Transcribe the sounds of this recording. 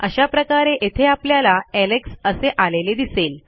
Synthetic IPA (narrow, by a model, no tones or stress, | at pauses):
ə̰ɕapɾəkaɾeʔet̪ʰeapljalaɛleksəseʔaleled̪isel